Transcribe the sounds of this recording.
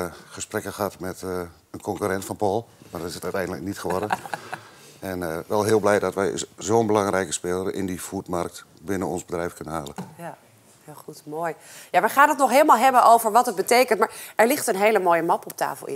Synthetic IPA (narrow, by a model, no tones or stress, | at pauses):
χəsprɛkəxatmɛt | ənkʰɔŋkyɾɛntfɔnpɔlˠmadɔtɪsətœɥtɛjndələk̚nitχəʋɔrdə | ɛnʋɛlˠɦɪːlˠblɛjdɔtʋɛjzoːnbəlɑŋrɛjkə̥spɪːləɾɪ̰ndifutmark̚t | bɪnənɔnzbədrɛjfkønənɦaːlˠən | hɪlˠxutmoːj | jaʋəχaːnətnɔχɦeːlˠəmalˠɦɛbənʔowvəɹʋɑtət̚bətejkəntmaːɹʔɛɹlɪχtənɦejləmoːjəmɑpɔp̚ta̰ːfəlˠɪ̰